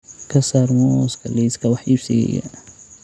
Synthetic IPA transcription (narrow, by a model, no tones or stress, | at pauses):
kʰɐsarmɔskʰɐliskʰɐwɑħiːbsɪjɛ̰jɐ̰